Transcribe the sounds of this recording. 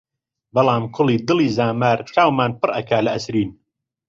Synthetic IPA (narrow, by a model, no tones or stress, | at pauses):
bɐlˠɑːmkʰʊlˠiːd̪ɨliːzaːmaːɾt͡ʃaːwmaːnpɨɾrʔɐkʰaːlɐʔɐsɾiːn